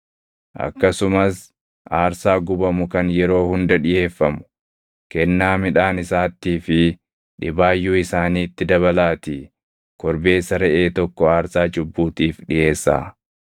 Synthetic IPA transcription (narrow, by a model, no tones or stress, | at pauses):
ʔɐ̰kːɐsʊmɐs | ʔaːɾsaːɡʊbɐmʊkɐnjɛɾo̞ːhʊnd̪ɐᶑɪje̞ːfːɐmʊ̥ | kɛnːaːmɪᶑaːnɪsaːt̪ːiːfɪ | ᶑɪbaːjːuːɪsaːniːt̪ːɪd̪ɐβɐlaːt̪iː | kɔɾbe̞ːsɐɾɛʔeːt̪ɔkːɔaːɾsaːd͡ʒʊbːuːt̪iːfᶑɪʔe̞ːsːa̰ː